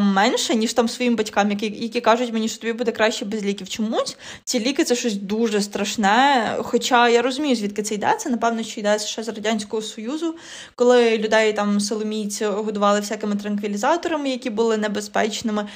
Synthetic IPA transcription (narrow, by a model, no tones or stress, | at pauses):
mɛnʃɛnʲiʃt̪ɑmsʋɔjimbɐtʲkɑmjɐkijɐkʲikɑʒʊtʲmenʲiʃt͡ʃɔt̪ɔbʲibud̪ɛkɾɑʃt͡ʃɛbezʲlʲikʲiwt͡ʃɔmusʲ | t͡sʲilʲikɪt̪sɛʃɔsʲd̪uʒɛst̪ɾɐʃnɛxɔt͡ʃɑjaɾɔzʊmʲijʊzʲʋʲit̪kɪt̪sɛjd̪ɛ̰t̪sɛnɐpɛwnɔʃt͡ʃɔijd̪ɛsʲʃɛzrɐdʲanʲsʲkɔɦɔsɔjuzʊ | kɔlˠɪlʲʊd̪ɛjt̪ɑmsɪlˠɔmʲijt͡sʲiɦɔd̪ʊʋɑlˠɪfsʲakɪmɪt̪ɾɐnkʋʲilʲizɑt̪ɔɾɐmɪjɐkʲibʊlˠɪnɛbespɛt͡ʃnɪmɪ